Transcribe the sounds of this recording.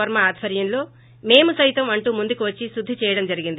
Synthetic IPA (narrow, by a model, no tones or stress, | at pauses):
ɐɾmɐaːd̪ʱʋɐɾjɐnlo̞ː | me̞ːmusɐjt̪ɐmɐɳʈuːmund̪ukiʋɐt͡ʃːisud̪ʱːit͡ʃɛːjɐɽɐmd͡ʒɐɾiɡind̪i